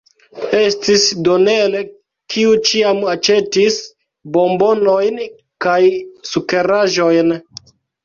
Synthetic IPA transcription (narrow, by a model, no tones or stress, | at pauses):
estisdo̞ne̞le | kʰiut͡ʃiamat͡ʃe̞tis | bo̞mbo̞no̞jn | kajsuke̞ɾaʒo̞jn